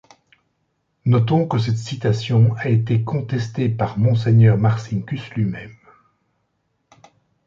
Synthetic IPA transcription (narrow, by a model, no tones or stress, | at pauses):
nɔt̪ɔ̃kəs̬ɛt̪sit̪asjɔ̃aet̪ekʰɔ̃t̪ɛst̪epaʁmɔ̃s̬ɛɲœʁmaʁsiŋkʲyslɥimɛm